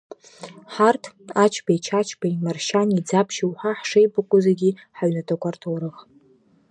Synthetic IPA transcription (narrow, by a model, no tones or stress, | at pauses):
ħartʰat͡ʃʰbajt͡ʃʰat͡ʃʰbaimarʃanid͡zapʰʃiwħaħʂejbakʷʼʊzeɡʲiħaɥnatʰokʷartʰuwɾɨχ